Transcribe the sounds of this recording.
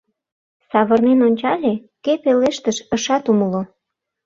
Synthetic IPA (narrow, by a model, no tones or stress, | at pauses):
sɑβərnenonʲt͡ɕɑlʲe | kepeleʃt̪əʃə̆ʃɑt̪uməlo